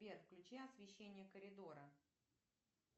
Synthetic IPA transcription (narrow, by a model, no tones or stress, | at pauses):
vʲerxklʲʉt͡ɕeɐsvʲɪɕːenʲɪjəkəɾʲɪd̪oɾə